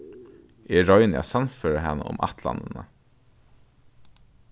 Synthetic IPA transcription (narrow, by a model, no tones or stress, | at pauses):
ʔiːɹɔʏənjæ̰sɑnføːɹəhɛnəʔʊ̰mʔɑ̰t̪ʰlɑ̰nənə